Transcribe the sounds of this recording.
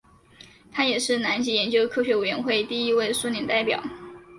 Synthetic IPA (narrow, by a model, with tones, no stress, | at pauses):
t̪ʰa˥jɛ˨˩ʂɻ̩˥˩na˧˥nt͡ɕi˧˥jɛ˧˥nt͡ɕjo˥ʊkʰɤ˥˩ɕɥɛ˧˥we˨˩ɥɛ˧˥nxwe˥˧ɪt̪i˥˩i˥we˥˧ɪsu˥˧njɛ˨˥˩nt̪a˥˩ɪpjɑ̰˨˩˦ʊ